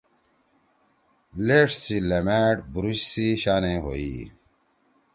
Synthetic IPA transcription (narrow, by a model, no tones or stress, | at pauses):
leːʈsilemeːʈbuɾuɕsiɕaːnẽːɦo̰ːḭː